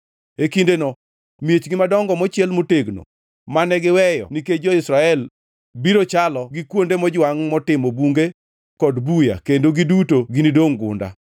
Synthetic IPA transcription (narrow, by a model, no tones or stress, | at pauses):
ekindenɔ | mijet͡ʃɡɪmadɔŋɡɔmɔt͡ʃɪɛlmoteɡno̰ | manɛɡɪwɛjɔ̰niked͡ʒɔɪsɾaɛl | biɾot͡ʃalɔɡikwondemɔd͡ʒwaŋmɔtɪmobuŋɡe | kɔdbuja̰kendoɡidutoɡinidoŋɡʊ̰nda̰